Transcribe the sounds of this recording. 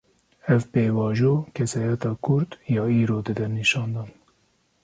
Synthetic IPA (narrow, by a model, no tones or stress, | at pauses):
ɛvpeːwɑːʒoːkʰɛsɑːjɛt̪ɑːkʰʊɾd̪jɑːiːɾoːd̪ɨd̪ɛɾniʃɑːnd̪ɑːn